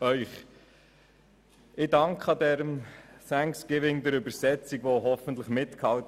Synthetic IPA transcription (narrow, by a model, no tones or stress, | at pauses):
œʏχ | ʔɪdɑŋkχɑdɛɾəmsæŋsɡ̥ɪvɪŋd̪əɾʉbəɾsɛt͡sikʋoɦɔfən̩t̪ləχmɪt̪khɑlt